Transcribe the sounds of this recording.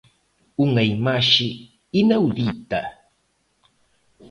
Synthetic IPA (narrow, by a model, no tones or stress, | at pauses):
ʊŋajmaʃɪː | nawd̪it̪a